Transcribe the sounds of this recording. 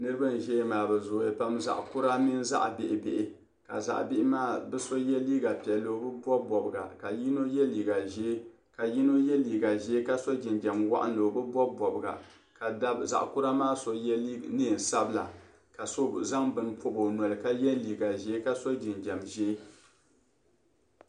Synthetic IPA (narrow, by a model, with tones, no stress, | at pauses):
nɨ˦ɾɨ˦ba˦n˨ʒɛ˦maː˨bɛ˨zʊ˨je˨pa˦mza̰˨ʔku˦ɾa˦mi˦n˦za̰˦ʔbɪ˨ʔɪ˨be˨ʔɪ˨ | ka̰˨za̰˨ʔbɪ˦ʔɪ˦maː˦bɛ˦so˦jɛ˦liː˦ɡa˨pi˨ɛ˨llo˨˦bɨ˦bɔ˦bɔ˨bɨ˨ɡa̰˨ka˨ji˦no˦jɛ˦liː˨ɡa˨ʒeː˦ | ka˨ji˦no˦jɛ˦liː˨ɡa˨ʒɛ˦ka˦so˦d͡ʒi˨nd͡ʒɛ˨mwa̰˦ʔa̰˦n˦lo˨bɨ˦bɔ˦bɔ˨bɨ˨ɡa̰˨ | ka˨da˦bza̰˨ʔku˦ɾa˦maː˦so˨jɛ˦li˦neː˦˨n̩˨sa˦bɨ˦la̰˨ | ka˨so˦za˦ŋbɨ˨npo˦bo˨nɔ˨lɨ˨ka˦jɛ˦liː˨ɡa˨ʒɛ˦ka˦so˦d͡ʒi˨nd͡ʒɛ˨mʒeː˦